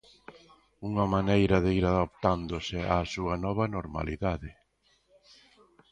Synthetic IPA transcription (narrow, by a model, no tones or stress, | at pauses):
uŋɐmanejɾɐðeiɾaðap̚t̪and̪osɪasuɐnɔβɐnoɾma̰liðaðɪ